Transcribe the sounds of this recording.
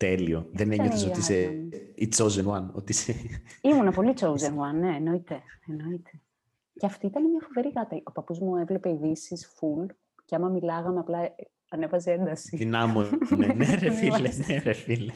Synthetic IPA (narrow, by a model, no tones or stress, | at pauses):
t̪elioðeneɲɐtosoiseit͡sowzenwɐnot̪iseimunɐpo̞lit͡sowzenwɐnːe̞ːno̞it̪e̞eno̞it̪ʰe̞ | ceɐft̪iit̪ɐnemɲɐfo̞ve̞ɾiɣɐt̪ɐo̞pɐpuzmuevle̞peiðisisful | ceɐmɐmilɐɣɐmeɐplɐ | ɐne̞vɐzee̞nd̪ɐsiðinɐmoeneɾefileneɾefile